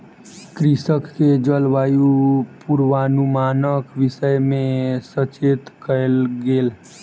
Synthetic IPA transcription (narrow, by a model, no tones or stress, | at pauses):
kɾisəkʰːed͡ʒəlʋaːjupuɾʋanumaːnəkʋɪsəjmẽsət͡ʃet̪kʰəɪlɡeːl